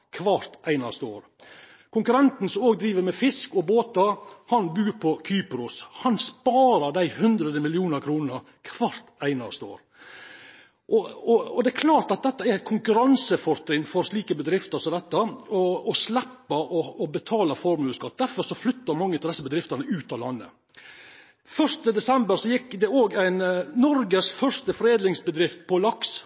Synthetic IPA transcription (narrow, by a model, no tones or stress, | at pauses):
kʰʋɑɾt̪ʔæɪnɑst̪əo̰ːɾ | kʰʊŋkʉɾɛnt̪n̩sɔmoːɡd̪ɾiːʋəɾmɛfɪskɔboːt̪ɑhɑnbʉːɾpʰɔkʰyːpɾʊshɑnspɑːɾɑd̪æɪhʉnd̪ɾəd̪əmɪlɪuːnəɾkʰɾuːnəɾ | kʰʋɑɾt̪æɪnɑst̪əo̰ːɾ | ʔɔɔɔd̪ɛːkʰlɑːɾt̪ɑt̪̚d̪ɛt̪ːəɛɾkʰʊŋkʉɾɑnsəfɔɾt̪ɾɪŋfɔɾʂliːkəbəd̪ɾɪft̪əsɔd̪ɛt̪ːəɔɔslɛpːɑʔɔɔbət̪ʰɑːlɑfɔɾmʉːskɑt̪̚ːd̪æɾfɔɾʂɔflʏt̪ːəɾmɑŋːət̪ɪd̪ɛsːəbəd̪ɾɪft̪ənəʉːt̪ɑlɑnːə̰ | fœʂt̪əd̪ɛsɛmbəɾsɔjɪkːd̪ɛoːɡæɪnnɔɾɡəsfœʂt̪əfɾeːd̪lɪŋsbəd̪ɾɪft̪̚pʰɔlɑks